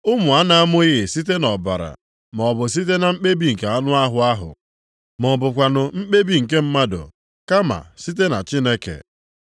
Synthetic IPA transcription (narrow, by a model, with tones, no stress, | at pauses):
ʊ˦mʊ˨a˦na˨a˦mʊ˦ɪ˦ɣɪ˨si˦t̬e˦nɔ˨ba̰˨ɾa̰˨ | m˨ɔ˨bʊ˨s̬i˦t̬e˦na˨m̩˦k͡pe˦bi˦ŋ̩˨ke˨a˦nʊ˦a˦ɦʊ˨a˦ɦʊ̰˨ | mɔ˨bʊ˨kʷa˨nʊ˨m̩˦k͡pe˦bi˦ŋ̩˨ke˦m̩˦ma˦dʊ̰˨ | ka˦ma̰˨si˦t̬e˦na˨t͡ʃi˦ne˦kḛ˨